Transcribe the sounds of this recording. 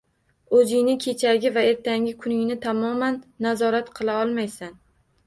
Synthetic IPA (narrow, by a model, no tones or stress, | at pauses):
ozɪŋnɪkʲʰe̞t͡ʃʰaɡʲɪvae̞ɾt̪ʰaŋʲɪkʰʊnɪŋnɪt̪ʰamɒmanːazɒɾat̪qʰɨlˠaɒlˠmajsan